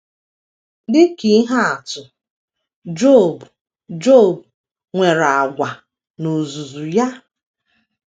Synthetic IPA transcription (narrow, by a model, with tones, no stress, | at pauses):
dɪ˦ki˦ɦa˦a˨tʊ˨ | d͡ʒo˦˨b | d͡ʒo˦˨b | ŋʷe˨ɾa˨a˨ɡʷa˨ | no˨zu˨zu˨ja˦